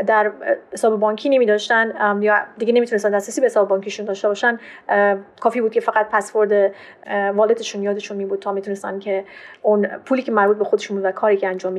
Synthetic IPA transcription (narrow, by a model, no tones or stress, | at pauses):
d̪æɾhesɒːbebɒːɲcʰiːnemiːd̪ɒːʃt̪ænjɒd̪iɡenemit̪unest̪ænd̪æsɾæsiːbehesɒːbebɒːŋcʰiʃund̪ɒːʃt̪e̞bɒːʃæn | kʰɒːfiːbud̪̚cʰefæɣæt̪̚pʰæsvo̞ɾd̪e | vɒːled̪eʃunjɒːd̪e̞ʃunmiːbuːd̪̚t̪ʰɒːmit̪unest̪ænkcʰe̞unpʰuːliːcʰe̞mæɾbuːt̪̚bexo̞d̪eʃunbud̪vækʰɒːɾiːcʰeænd͡ʒɒːmːi